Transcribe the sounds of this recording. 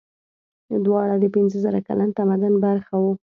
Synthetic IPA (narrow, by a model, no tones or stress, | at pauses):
d̪wɑɽad̪əpɪnzəzəɾaka̰lant̪amad̪anbaɾxawu